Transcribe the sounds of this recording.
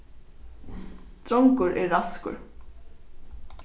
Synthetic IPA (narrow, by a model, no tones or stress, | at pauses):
t̪ɾɔŋkʊɾɛɹːaskʊ̰ɾ